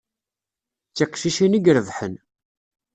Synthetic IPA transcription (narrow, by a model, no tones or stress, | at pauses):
t͡sːiqʃiʃiniɡɾəðħən